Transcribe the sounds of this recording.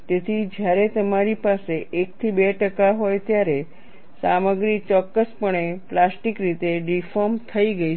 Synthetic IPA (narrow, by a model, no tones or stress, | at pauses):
t̪et̪ʰid͡ʒjaɾet̪əmaɾipaseʔekt̪ʰibeʈəkaɦojt̪jaɾe | saməɡɾit͡ʃɔkːəspəɳeplasʈikɾit̪eɖifɔɾmt̪ʰəiɡəi